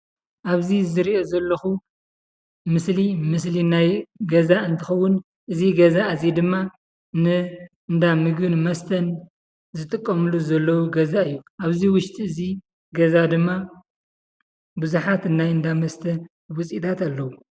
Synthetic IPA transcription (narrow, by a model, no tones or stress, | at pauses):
ʔaβzizɨɾiʔo̞zɐlːɐxu | mɨslimɨslinajɡɐzaɨnt̪ʰɨxɐwːʊn | ʔɨziɡɐzaɨzid̪ɨmːa | nɨ | ɨnd̪amɨɡɨnmɐst̪ʰɐn | zɨt̪ʼɨkʼːɐmɨluzɐlːɐwuɡɐzaɨjːuʔaβziwʊʃt̪ʼiɨzi | ɡɐzad̪ɨmːa | buzuħat̪ɨnːajɨnd̪amɐst̪ʰɐn | wɔt͡sʼit̪ʰat̪alːɐwu